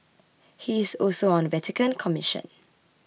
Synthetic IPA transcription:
hiɪsɔlsoə̃nvɛtɪkə̃nkʰɔmɪʃə̰̃n

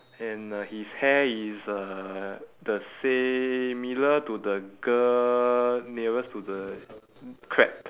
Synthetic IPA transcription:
ɛ̃nəhishɛisə | dəsɛmilətudəɡə | nivəstudə | kʰɹɛp

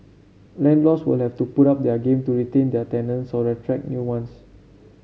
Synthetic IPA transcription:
lɛ̃ndlɔswḭlhɛftupuɾap̚dɛəɡẽmtuɹitẽndətɛ̃nə̃nsɔɹɛtʰɹɛk̚njuwãns

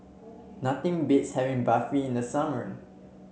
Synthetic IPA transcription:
nat̪ɪ̃ŋbɪtshɛvɪ̃ŋbafɹiɪ̃ndəsamə˞

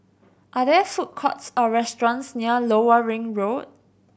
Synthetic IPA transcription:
ʔadɛfut̚kʰɔtsɔɹɛstɹɔ̃nsniəloəɹɪ̃ŋɹod̚

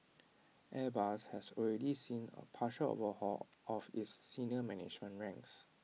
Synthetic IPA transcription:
ʔɛbashɛsɔlɹɛdisĩnə̰pʰaʃəlo̰vəhɔ̰ | ʔɔfisːinəmɛnɪ̰d͡ʒmə̃nɹɛ̃ŋks

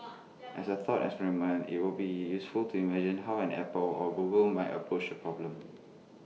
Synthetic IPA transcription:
ʔɛsəθɔtɛ̰kspɛɹimə̃nḭt̚wilbijusfultʰuimɛd͡ʒĩnɦawɛ̃nɛ̰pəlɔɡuɡəlmaɪtə̰pʰɹot͡ʃdəpʰɹɔblə̃m

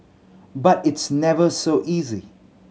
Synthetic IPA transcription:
batɪtsnɛvəsoʔizi

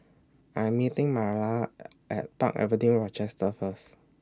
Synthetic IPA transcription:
ʔãjmːitĩŋmaɹla | ʔɛ̰t̚pa̰kɛ̰vidĩŋɹɔt͡ʃɛstəfəs

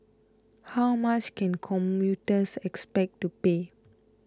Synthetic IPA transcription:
hawmat͡ʃkɛ̃nkʰɔ̃mjutəsɛkspɛk̚tupe

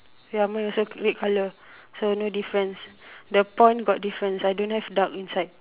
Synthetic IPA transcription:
amãnɔsoɹet̚kʰalə | sonodifɹə̃nsdəpɔ̃j̃nɡɔt̚difɹə̃nsajdõnhɛvdakĩnsajd̚

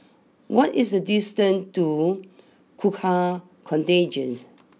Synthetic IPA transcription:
wɔtisdədistə̃ntu | kʰukʰa | kʰɔ̃nted͡ʒə̃ns

